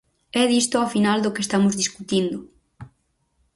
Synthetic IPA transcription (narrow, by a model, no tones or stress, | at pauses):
ɛðist̪oafinald̪ʊkest̪amʊzðiskut̪ind̪ʊ